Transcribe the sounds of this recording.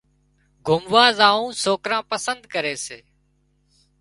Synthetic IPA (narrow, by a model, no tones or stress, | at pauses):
ɡʱʊmʋaːzaːũːsoːkɾãːpəsənd̪̚kəɾeːseː